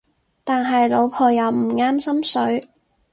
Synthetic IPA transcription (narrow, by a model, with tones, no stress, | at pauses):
t̪aː˨nɦɐ˨jlo˨˧wpʰɔː˧jɐ˨˧wm̩˨˩ŋaː˥msɐ˥msɵ˨˥ɥ